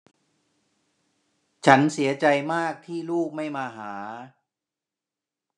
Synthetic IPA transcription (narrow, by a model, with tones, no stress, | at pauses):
t͡ɕʰa˦˥nsi˩˦ɐt͡ɕa˧jmaː˥˩k̚t̪ʰiː˥˩luː˥˩k̚ma˥˩jmaː˧ɦaː˩˦